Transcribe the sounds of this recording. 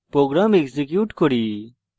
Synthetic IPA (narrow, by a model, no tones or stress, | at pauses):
pɾoːɡɾaːmekzek̬juːʈkoɾiː